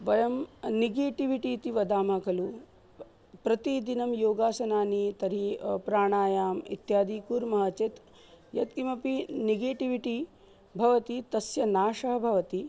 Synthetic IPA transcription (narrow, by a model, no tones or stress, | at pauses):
ʋɐjɐmniɡeːʈiʋiʈiːt̪iʋɐd̪aːmaːkɐlu | pɾɐt̪id̪inɐmjoːɡaːsɐnaːnit̪ɐɾipɾaːɳaːjaːmḭt̪jaːd̪iːkuːɾmɐɦɐt͡ʃet̪ | jɐt̪kimɐpiniɡeːʈiʋiʈi | bʱɐʋɐt̪it̪ɐsjɐnaːʂɐɦɐbʱɐʋɐt̪i